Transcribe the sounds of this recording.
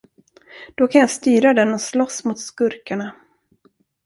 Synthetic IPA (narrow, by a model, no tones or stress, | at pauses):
d̪̥ɔkʰanjɑːst̪yːɾad̪ɛnɔslɔsmʊt̪skɵɾkaɳa